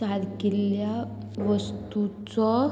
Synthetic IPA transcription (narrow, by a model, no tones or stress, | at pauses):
ad̪kilja | ʋəst̪ut͡sɔ